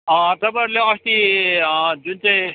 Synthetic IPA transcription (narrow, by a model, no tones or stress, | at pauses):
ʌ̃t̪ʌpaʌɾleʌst̪i | d͡zunt͡saĩ